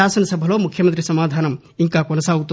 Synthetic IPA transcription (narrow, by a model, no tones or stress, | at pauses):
aːsɐnsɐbʱɐlomukʰjɐmənt̪ɾisɐmaːd̪ʱaːnɐm | iŋkakonɐsaut̪ː